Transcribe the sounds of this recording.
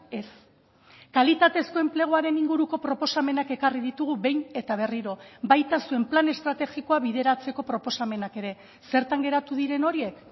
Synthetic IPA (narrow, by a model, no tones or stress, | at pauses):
e̞s | kalit̪at̪e̞sko̞e̞mple̞ɣ̞oaɾe̞niŋɡuɾuko̞pɾo̞po̞same̞nake̞kariðit̪uɣ̞uβe̞jne̞t̪aβ̞e̞riɾo̞bajt̪asue̞mplane̞st̪ɾat̪e̞xiko̞aβiðe̞ɾat͡se̞ko̞pɾo̞po̞same̞nake̞ɾe̞ | se̞ɾt̪aŋɡe̞ɾat̪uðiɾe̞no̞ɾie̞k